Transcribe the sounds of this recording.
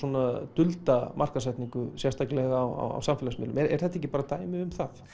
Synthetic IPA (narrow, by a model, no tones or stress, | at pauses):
ɔnat̪ʏlt̪amʔar̥kasɛht̪niŋkʏsjɛst̪aklɛɣawa̰wa̰wsamfɪːlasmɪ̰lʏ̰mɛɾɛ̰ɾ̥θɛt̪aec̬ːɪpaːɾat̪aːjmɪʏmθaθ